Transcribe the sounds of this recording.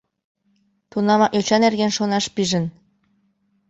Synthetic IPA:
t̪unɑmɑʔøt͡ɕɑnerɣenʃonɑʃpiʒə̆n

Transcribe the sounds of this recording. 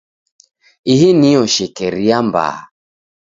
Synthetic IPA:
iɦiniɔʃɛkɛɾiamba̰ː

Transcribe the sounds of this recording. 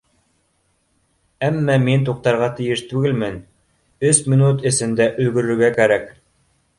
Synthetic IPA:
æmːæmint̪̬uq̚t̪ɑɾʁɑt̪ɘ̆jɘʃt̪ʉɡɘlmɘn | ɵsmʲinut̪ɘ̆sɘ̆nd̪æʔɵ̆lɡɵ̆ɾɵ̆ɾɡækæɾæk

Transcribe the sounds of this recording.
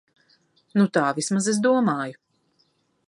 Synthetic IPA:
nut̪aːvismazezd̪uɔmaːju

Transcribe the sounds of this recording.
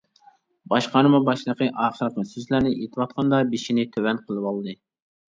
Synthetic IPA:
bɑʃqɑɾɨmɑbɑʃlˠəqəʔɑːχəɾqmɨsøzlæɾnɪʔet̪ʰɪwɑt̪̚qʰɑnd̪ɑbiʃinɪt̪ʰøwɛnqʰəlˠɨwɑlˠd̪ɨ

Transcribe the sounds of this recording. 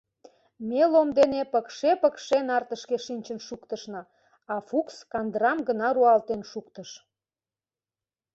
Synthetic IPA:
melomd̪enepəkʃepəkʃenɑrt̪əʃkeʃinʲt͡ɕənʃukt̪əʃnɤ | ɑfukskɑnd̪rɑmɡənɑɾuɑlt̪enʃukt̪əʃ

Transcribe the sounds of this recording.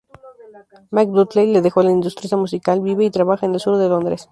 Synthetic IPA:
mak̚d̪ut̪lejle̞ðe̞xo̞laind̪ust̪ɾisamusikalbiβe̞it̪ɾaβaxaene̞lsuɾðe̞lo̞nd̪ɾe̞s

